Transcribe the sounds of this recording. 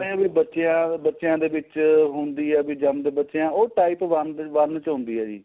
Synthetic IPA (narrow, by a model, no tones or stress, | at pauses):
ẽːbiːbətːʃeãːbətːʃjãːd̪eːʋɪt͡ʃɦʊnd̪iːɛːbiːd͡ʒəmd̪eːbətːʃejãːoːʈaːɪpʋənd̪ʋənt͡ʃʊ̃nd̪iːɛːd͡ʒḭː